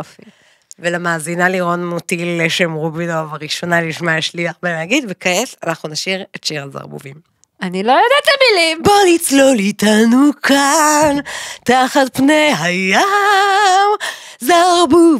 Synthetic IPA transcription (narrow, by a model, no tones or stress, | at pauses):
fi | velamaːzinaliʁo̞nmut̪ilːeʃemʁubinovaʁiʃo̞naliʃmaiʃliaχbemaɡid̪vekaesanaχnunaʃiʁetʃiʁaza̰ʁbṵvim | anilojod̪at̪amilibalit͡slolitanukʰantaχat̪̚pnejɦajo | m | zaʁbuv